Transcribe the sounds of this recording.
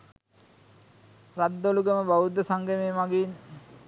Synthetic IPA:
rad̪ːoluɡəməbaud̪əsaŋɡemeːmaɡin

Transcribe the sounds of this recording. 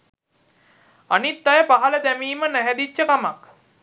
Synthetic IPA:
a̰nit̪ːajəpaɦaləd̪æmiːmənæɦæd̪it͡ʃːəkamak

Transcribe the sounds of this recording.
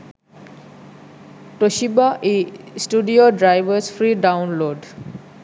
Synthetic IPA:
ʈoʃibaʔisʈuɖioɖɾajʋəsfʰɾiːɖaʊnloɖ

